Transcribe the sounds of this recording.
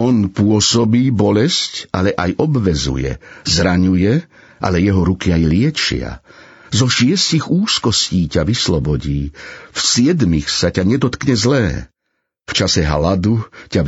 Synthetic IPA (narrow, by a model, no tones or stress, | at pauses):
ɔnpʊɔsɔbiːbɔlɛscʔalɛʔajʔɔbʋɛzṵjɛ̰zɾaɲujɛ | ʔa̰lɛjɛɦɔɾukiajlɪɛt͡ʃɪa̰ | zɔʃɪɛsciɣuːskɔsciːcaʋislɔbɔɟiːfsɪɛd̪mixsacaɲɛd̪ɔt̪kɲɛzlɛː | ft͡ʃasɛɦalad̪uca